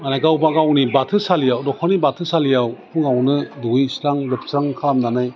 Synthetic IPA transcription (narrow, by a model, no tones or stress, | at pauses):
manajɡawbaɡawnibatʰɯsalijawdɔkʰɔnibatʰɯsalijawpʰuŋawnɯduisɾaŋbɯtʰsɾaŋkʰalamnanaj